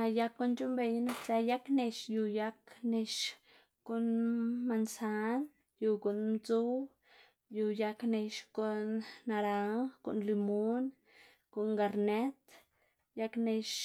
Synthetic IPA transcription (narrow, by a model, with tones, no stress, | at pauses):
a˧ja˧kːo˧nt͡ʃu˦mbe˧jna˦t͡sa˧ja˦kne˧ʃju˧ja˧kne˧ʃ | ku˨nma˧nsa˧˦n | ju˧ku˨nmt͡su˦w | ju˧ja˧kne˧ʃko˨nːa˧ɾa˧ŋkṵ˨nli˧mo˦n | ko˨ŋɡa˧ɾne˦t̪ | ja˧kne˧ʃ